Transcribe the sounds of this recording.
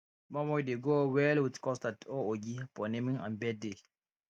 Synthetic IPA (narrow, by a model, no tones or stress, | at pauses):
mamɔideɡowɛlwitkɔstatooɡipɔnemĩŋã̰nbɛde